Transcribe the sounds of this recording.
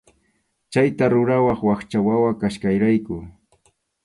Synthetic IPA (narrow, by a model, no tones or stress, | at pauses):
t͡ʃajt̪aɾʊɾawaχwaχt͡ʃawawakaʃkajɾajkʊ